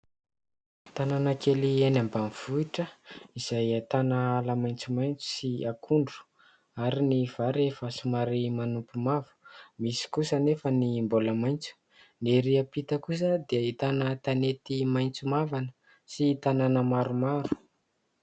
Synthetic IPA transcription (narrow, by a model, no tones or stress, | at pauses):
t̪ananakelienambamiv̥uiʈ͡ʂəiz̥ajat̪anaalamajnt͡sumajnt͡su̥siakʰuɳɖ͡ʐu̥ | aɾiniv̥aɾefəsumaɾimanumpumavu̥misi̥kusənefənimboləmajnt͡su̥ | neɾiapit̪əkus̬əd̪eəit̪anət̪anet̪imajnt͡sumavanə | siːt̪ananəmaɾumaɾu̥